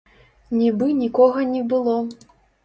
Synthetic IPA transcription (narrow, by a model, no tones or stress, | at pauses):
nʲibɨnʲikɔɣɐnʲɛbɨlˠɔ